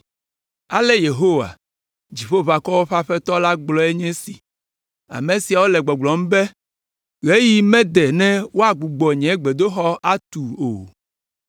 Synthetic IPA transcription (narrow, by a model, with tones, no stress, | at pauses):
a̰˨lɛ˦je˨ɦo˦wa̰˨ | d͡ʑi˨ɸo˦va˨kɔ˦wo˦ɸa˦ɸɛ˦t̪ɔ˦la˦ɡ͡blɔ˦e˦ɲɛ̃˦si˨ | a̰˨mẽ˨si˨a˨wo˦lɛ˨ɡ͡bɔ˨ɡ͡blɔ˨m̩˦bɛ˦ | ɣe˦ji˦mɛ̃˦d̪ɛ˨nɛ̃˦wo˦a˨ɡ͡bu˨ɡ͡bɔ˨ɲɛ̃˨˦ɡ͡be˨d̪o˦xɔ˦a˦t̪u˨o̰˨